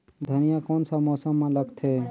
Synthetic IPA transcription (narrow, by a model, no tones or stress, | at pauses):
d̪ʱənijakoːnsəmɔsəmːẽləɡt̪ʰe